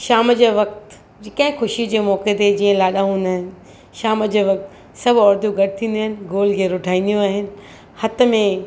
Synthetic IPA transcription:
ʃaːməd͡ʑeːʋɐk̚t̪ | d͡ʑɪkɐ̃ɦɪ̃xʊʃid͡ʑeːmɔːket̪eed͡ʑiːə̃laːɗaɦũːn̆d̪aːɦɪnɪ̆ | ʃaːmd͡ʑeːʋɐk̚t̪ | sɐbʱɔːɾd̪jũɡɐʈɪt̪ʰĩːn̆d̪iaːɦɪnɪ̆ɡoːlɡeːɾoʈʰaːĩnd̪ijũaːɦɪnɪ̆ | hɐt̪ə̆mẽ

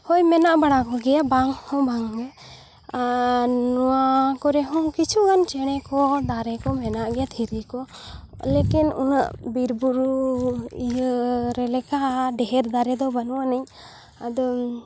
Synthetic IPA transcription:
hɔjmɛnaʔbaɽakɔɡɛjabaŋhɔ̃baŋɛ | anɔwakɔɾɛɦɔ̃kit͡ʃʰuɡant͡ʃɛɽ̃ɛkɔd̪aɾɛkɔmɛnaʔɡɛjat̪ʰiɾikɔ | lekinṵna̰ʔbiɾbuɾuijəɾɛlɛkaɖɛɦɛɾd̪aɾɛd̪ɔbanuwanaɲ | ad̪ɔ

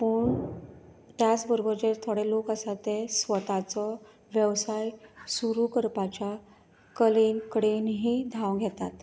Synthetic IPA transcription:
pəːɳ | t̪jat͡sbəɾbəɾd͡ʑeɾt̪ʰoɽelokəsat̪esʋət̪at͡sɔ | ʋjəʋsajsuɾukəɾpat͡ɕja | kəlenkəɽenɦiːd̪ʱawɡʱɛt̪at̪

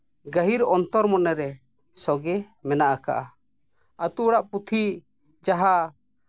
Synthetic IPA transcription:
ɡəɦiɾɔnt̪ɔɾmɔnɛɾɛ | sɔɡɛ | mɛnaʔaka̰ʔa | ət̪uɽaʔput̪ʰi | d͡ʒaɦa

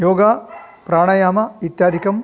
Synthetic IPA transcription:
joːɡapɾaːɳɐjaːmɐit̪jaːd̪ʱikɐm

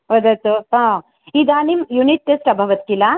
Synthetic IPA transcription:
ʋɐd̪ɐt̪oɦã | id̪aːnimjuniʈ̚ːesʈɐbʱɐʋɐt̪kila

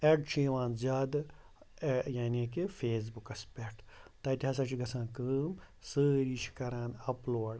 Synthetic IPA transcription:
eɖt͡ʃʰiːʋãːnzʲaːd̪ | jaːniːk̬efeːs̬bukɐspʲeʈt̪ɐt̪iɦɐs̬ɐt͡ʃʰiɡɐsãːkɨːm | səːɾiʃi̥kɐɾãːnɐploːɽ

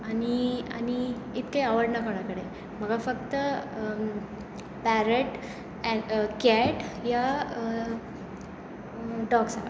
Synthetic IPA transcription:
ania̰ni | it̪kaaʋəɾɽnakoɳakəɽe | m̤əɡafəkt̪ə | pæɾəʈ | kɛʈja | ɖɔɡsa

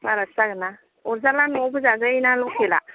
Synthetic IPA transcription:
baɾasaɡɯna | ɔɾzalanɔbɯzazainalɔkʰela̰

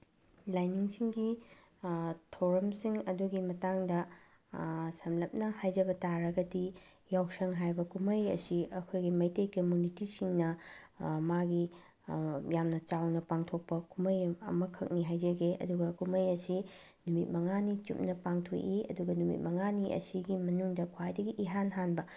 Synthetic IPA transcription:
lajniŋsiŋɡi | tʰɐwɾɐmsiŋɐduɡimɐtaŋdɐ | sɐmlɐp̚nɐhajd͡ʒɐbɐtaɾɐɡɐdi | jawsɐŋɦajbɐkumɐjɐ̰siʔɐkʰojɡimɐjtejkɐmjunitisiŋnɐ | maɡi | jamnɐt͡ʃawnɐpaŋtʰok̚pɐkumɐjɐ̰mɐkʰɐk̚niɦajd͡ʒɐɡeʔɐ̰duɡɐkumɐjɐsi | numit̚mɐŋanit͡ʃṵp̚nɐpaŋtʰo̰jʔiɐ̰duɡɐnumḭt̚mɐŋaniʔɐ̰siɡimɐnuŋdɐkʰwajdɐɡiʔiɦanɦanbɐ

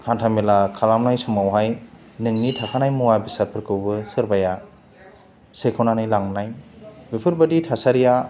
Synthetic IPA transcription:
hantʰamelakʰalamnajsumawɦaj | nɯŋnitʰakʰanajmuwabisaɾ̚pʰɯɾkʰɯwbɯsɯɾbaja | sekʰɯwnanajlaŋnajbipʰɯɾbɯditʰasaɾija

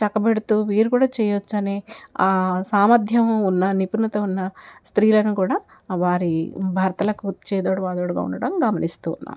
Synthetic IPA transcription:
t͡ʃɐkːɐbeɽut̪uːʋiːɾukuːɽaːt͡ʃɛːjɐʋot͡ʃːɐneaːsaːmɐd̪ʱjɐmunːɐnipunːɐt̪oːunːɐst̪ɾiːlɐnukuːɽaː | ʋaːɾibʱaːɾɐt̪ɐlɐkut̪t͡ʃɛːd̪oːɽuʋaːd̪oːɽuɡa̰ːṵnːɐɽɐmɡɐmɐnist̪ṵːnːa̰ːm

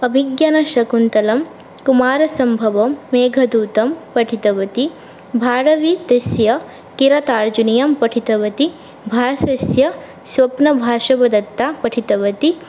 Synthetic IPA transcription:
ɐbʱiɡjɐnɐʃɐkunt̪ɐlɐm | kumaːɾɐsɐmbʱɐʋɐmːeːɡʱɐd̪uːt̪ɐmpɐʈʰit̪ɐʋɐt̪i | bʱaːɾɐʋit̪ɐsjɐ | kiɾɐt̪aːɾd͡ʒunijɐmpɐʈʰit̪ɐʋɐt̪i | bʱaːsɐsjɐ | swɐpnɐbʱaːʃɐbɐd̪ɐt̪ːaːpɐʈʰit̪ɐʋɐt̪i

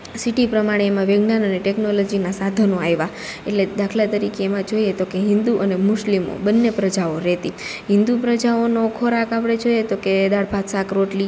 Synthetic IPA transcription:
siʈipɾəmaɽ̃eːmãʋeɡnanəneʈeknolod͡ʒinasad̪ʱonõajʋa | ḛʈled̪akʰlat̪əɾikeːmãd͡ʒoiet̪okeɦɪ̃nd̪uʔənemʊʃlimo̰bənːepɾəd͡ʒaoɾɛt̪iɦɪnd̪upɾəd͡ʒaonokʰoɾakapɽ̃ed͡ʒojet̪oked̪aɽpat̪sakɾoʈli

